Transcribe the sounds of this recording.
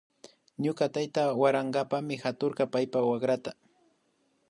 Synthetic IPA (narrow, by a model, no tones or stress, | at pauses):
ɲʊkat̪ajt̪awaɾaŋɢɑpamɪxat̪oɾɢɑpajpawakɾat̪a